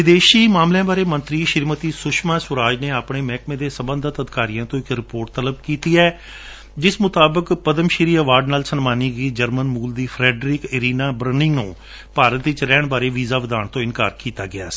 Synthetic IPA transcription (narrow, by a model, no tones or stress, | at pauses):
ʋɪd̪eːʃiːmaːmlejãːbaːɾeːmənt̪ɾiːʃɪɾmət̪iːsʊʃmãːsʊɾaːd͡ʒneːaːpɳeːmɛːkmẽːd̪eːsəmbənd̪ət̪əd̪kaːɾijãːt̪õːɪkɾɪpoːɾʈt̪ələb̚kiːt̪iːɛː | d͡ʒɪsmʊt̪aːbəkpəd̪əmʃɪɾiːəʋaːɾɖnaːlsənmaːniːɡəiːd͡ʒəɾmənmuːld̪iːpʰɾɛːɖɾiːkɪɾiːnaːbɾənɪ̃ŋɡnũː | paːɾət̪ʋɪt͡ʃɾɛːɳbaːɾeːʋiːzaːʋɪd̪aːnt̪õːɪnka̰ːɾkiːt̪aːɡɪa̰ːiː